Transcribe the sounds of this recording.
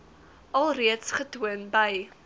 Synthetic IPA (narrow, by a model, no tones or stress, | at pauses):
ɐlˠriətsχətuənbəj